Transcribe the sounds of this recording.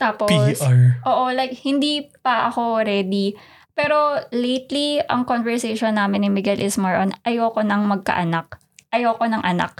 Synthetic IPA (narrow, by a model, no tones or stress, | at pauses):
t̪aːpoisɹʔoːʔolajk̚hɪnd̪ipɐʔɐko̞ɾɛd̪i | pɛːɾo̞lejt̪liɐŋkonvɛɹsejʃonːaːmɪnːɪmɪɡɛlʔɪsmɐɹʔonʔɐjoːkonɐŋmɐɡ̚kɐ̰ʔɐnak̚ | ʔɐjoːko̞nɐŋʔɐna̰k̚